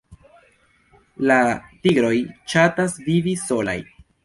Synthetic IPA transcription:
latiɡɾo̞jt͡ʃatasviviso̞la̰j

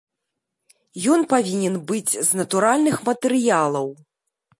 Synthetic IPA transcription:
jɔnpavʲinʲɛnbɨd͡zʲznɐt̪uɾalʲnɨxmɐt̪ɛɾɨjalˠɐw

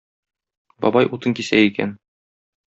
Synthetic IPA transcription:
bɒ̰bɑjʔut̪ɤŋkisæikæ̰n

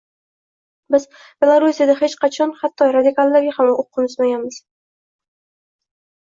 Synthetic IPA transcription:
bɪz | b̥e̞lˠaɾusijad̪ahet͡ʃqʰɑt͡ʃʰɒnχat̪ʰːɒɾad̪ɪkalˠːaɾɡʲahamoqʰːɨnʊzmaɡʲanmɪz̥

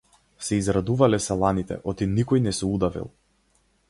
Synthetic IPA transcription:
sɛizɾad̪uvalɛsɛlˠanit̪ɛ̰ʔɔt̪inikɔjnɛsɛud̪avḭlˠ

